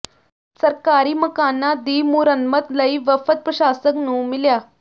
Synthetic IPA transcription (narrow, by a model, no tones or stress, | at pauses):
səɾkaɾiːməkanːad̪imuːɾənmət̪ləiʋəfət̪̚pɾəɕasəknuːmilja